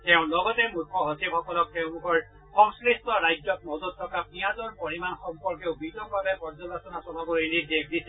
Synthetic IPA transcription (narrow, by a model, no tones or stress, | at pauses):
tɛʊ̃lɔɡɔtɛmukʰɔɦosibɔkɔlɔk̚teʊ̃mukʰɔɹ | xɔŋskɹistɔɹajd͡ʒɔk̚mɔzɔt̚tʰːɔkapnijazɔɹpoɹimanxɔmpɔɹkeʊbidɔkbabɛpɔɹzɔlasɔnasɔlɔboɹinidek̚ʰdisɛ